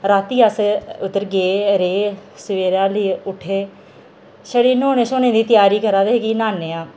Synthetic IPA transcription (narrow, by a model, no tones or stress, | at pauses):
ɾaːt̪iːəsʊt̪ːəɾɡeːɾeːsəʋeːɾãːliːʊʈʰeː | ʃəɽiːnoːnẽːʃoːnẽːd̪iːt̪ɪjaːɾiːkəɾãːd̪eɦeːɡiːnaːneːãː